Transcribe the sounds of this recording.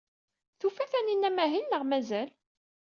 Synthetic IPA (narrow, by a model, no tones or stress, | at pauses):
θufæθæninːæmæɦinːəʁmæzæl